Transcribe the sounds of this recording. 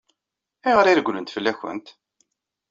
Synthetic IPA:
iʁəɾiɾɡʷlənt̪fəlːæçə̰nt̪

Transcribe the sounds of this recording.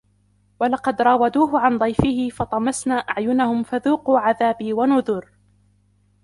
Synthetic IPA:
walɑqɑd̪ɾˤɑːwad̪uːɦʊʕand̪ˤɑjfɪhɪfɑt̪ˤɑmɑsnaːʔaʕjʊnahʊmfaðuːquːʕaðaːbiːwanʊðʊɾ

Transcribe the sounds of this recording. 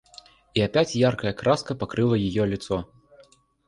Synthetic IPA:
iapʲat͡sʲjarkɐjɐkɾaskɐpakɾɨlˠɐjijɔlʲit̪sɔ

